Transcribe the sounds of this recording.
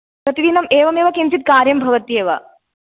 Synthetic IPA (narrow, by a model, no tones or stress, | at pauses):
ɐt̪id̪inɐmeːʋɐmeːʋɐkint͡ʃit̪̚kaːɾjɐmbʱɐʋɐt̪ijeːʋɐ̰